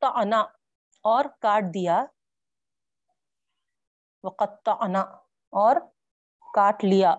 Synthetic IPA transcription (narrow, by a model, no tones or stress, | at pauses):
t̪ːɑna | ɔːɾkaːɾʈ̚d̪ija | ʋɐqɐt̪ːɑʔna | ɔːɾ | kaːʈlɪjaː